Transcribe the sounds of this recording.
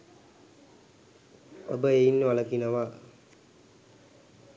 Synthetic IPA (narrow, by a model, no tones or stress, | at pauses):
o̰bəeinːəʋaləkinaʋa